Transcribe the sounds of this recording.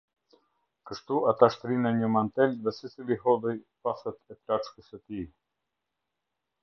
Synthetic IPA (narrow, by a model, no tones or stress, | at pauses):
kəʃt̪uat̪aʃt̪ɾinɛɲəmant̪ɛlðɛsit͡siliɦɔðɔjpasɛt̪ɛplat͡ʃkəsət̪i